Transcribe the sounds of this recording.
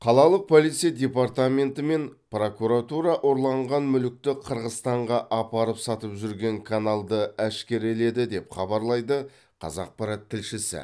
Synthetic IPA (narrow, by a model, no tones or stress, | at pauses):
qʰɑlˠɑlˠəq̚pʰo̞lijt̪sɨjad̪ʲe̞part̪ame̞nt̪əme̞npro̞kuɾat̪uɾɑʔo̞ɾlˠɑɴʁɑnmʏlɪk̚t̪ɪqʰəɾʁəzt̪ɑɴʁɑʔɑpɑɾəpsɑt̪əpʒʏɾɡʲe̞ŋkʰanalˠd̪əæʃkʲe̞ɾele̞d̪ɪd̪e̞pχɑbɑɾlˠɑjd̪ə | qʰɑ̰zɑq̚pɑɾɑt̪ʰːɪlʃɪsɪ̰